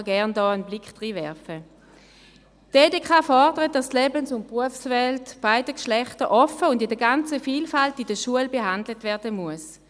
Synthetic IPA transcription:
ɡɛɐndɔːənblɪkχd̥ʁiːvɛɐfə | d̥eːdeːkʰaːfɔʁdəʁət̚d̥astlɛːbənsʊnt̚pʁuəfsvɛltb̥aɪdəkʃlɛχtəʔɔfəʊndɪdəɐɡant͡səfiːlfaltidəʃuəlbeɦandlətvɛɐdəmuəs

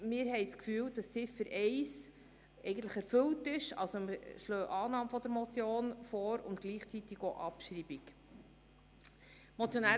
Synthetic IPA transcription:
mɪːɾɦɛɪt͡skfyːld̥ɑst͡sɪfəɾʔɛɪs | ʔɛɪɡən̩t̪ləχɛɾfɵltɪʃɑ̰lsoməʃlœːʔɑːnɑːmfɔd̪əɾmɔt͡sjoːnfɔːɾʊ̰nt̪̚ɡ̥liːχt͡sit̪ɪɡoʔɑpʃɾiːb̥ik | mɔt͡sjonæː

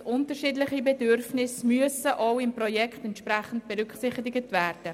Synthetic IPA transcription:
ʔʊntəɾʃiːdlɪχibɛdøɾfnɪsmyəsəʔowɪmprɔjɛkχtɛntʃpɾæχən̩t̚b̥ɛɾʏkχsɪχtɪɡətvæːɾd̥ə

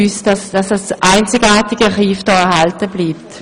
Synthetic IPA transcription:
ysdɑsd̥ɑsasʔaɪnt͡sɪɡaːtɪɡ̥əχiːfd̥ɔːɛɐhɑltəbliːp̚t

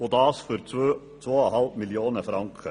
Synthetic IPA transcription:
od̪ɑːsfɔɾ | t̪ʰʋoːɔɦɑlmɪljuːnəfɾɑŋkʰə

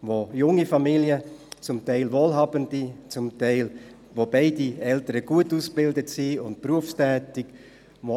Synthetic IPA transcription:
ʋojʊŋifamiljət͡sʊmtaɪlvoːlɦɑːbəndit͡sʊmtaɪl | ʋobaɪdiɛltəɾəɡ̥uətuːsb̥ɪldətsiʊnt̚pruəfstɛːtɪk | ʋo

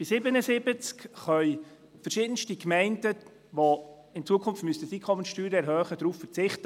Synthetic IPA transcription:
b̥ɪsɪbənəsɪbət͡skχœʏ | fəʃɪːd̥ənʃtikmɛɪndə | ʋo | ɪnt͡suːəkʰʊnftmystəsikʰɔmənʃtyːɾəɛɾɦœːχədɾuːfəɾt͡sɪχtə

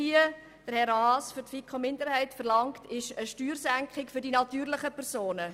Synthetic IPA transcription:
iə | d̥əɾhɛɾɑːsfʏɾtfikχomɪndəɾhɛɪtfəʁlɑŋktɪʃəʃtyːɾsæŋkχɪkfʏɾdinɑtyːɾlɪχəpʰɛʁsoːnə

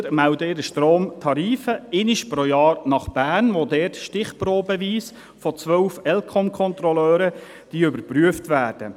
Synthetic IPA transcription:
mæwdəɪɾəʃtɾoːmtʰɑɾiːfəɪnɪʃpɾojɑːɾnɑχb̥æːɾnʋodɛːrtʃtɪχpɾoːbəʋiːs | fɔt͡sʋœwfɛlkʰɔmkʰɔnt̪ɾɔlœːɾə | d̥iːʏbəɾpɾyəftʋæːrd̥ə

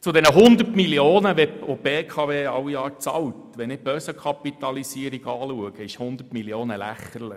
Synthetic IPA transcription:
t͡sʊdɛnəɦʊnd̪ərtmilioːnəʋɛobeːkʰɑʋeːɑwijɑːɾt͡sɑ̰wtʋɛnɪb̥œsəkʰɑpit̪ɑlisiəɾiɡɑːluəɡ̥əɪʃhʊnd̪ətmiljoːnəlæ̰χəɾlə

